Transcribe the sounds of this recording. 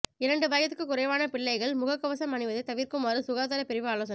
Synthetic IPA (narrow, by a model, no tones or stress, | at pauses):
ɪɾɐɳɖɯʋɐːjɐt̪ːɯkːɯkːʊɾɐɪʋaːnɐpɪɭːɐɪɣɐɭmʊɣɐkːɐʋɐsɐmɐnɪʋɐðɯt̪ːɐʋiːɾkɯmaːɾɯsʊɣaːt̪ɐɾɐpɛɾɪʋɯaːloːs̬ɐn